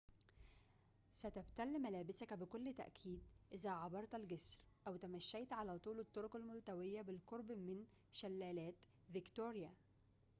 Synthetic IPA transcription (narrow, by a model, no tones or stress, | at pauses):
sæt̪æbt̪ælːmælæːbɪsækæbɪkolːt̪æ̰ʔkʰiːd̪̚ʔɪzæʕɑbɑɾˤt̪ælɡesɾʔæwt̪æmæʃːæjt̪ʕalæːt̪ˤuːlɪt̪ːoɾokælmʊlt̪æwɪjːæbɪlkoɾˤbmɪn | ʃælːæːlæːt̪ | vɪkt̪oːɾjæ